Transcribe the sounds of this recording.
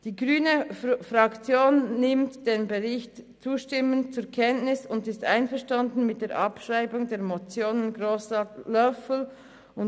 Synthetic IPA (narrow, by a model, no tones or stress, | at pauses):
d̥iːɡʁyːnəfʁɑkt͡sjoːnːɪmtd̥eːnbəʁɪçt | t͡suːʃtɪmənt͡suːɾkʰɛntnɪsʊndɪstʔa̰ɪnfɛɐʃtɑndn̩mɪt̚d̥eːɐɾʔɑpʃʁaɪbʊŋdeːmot͡sjoːnənɡʁoːslœfl̩ | ʊn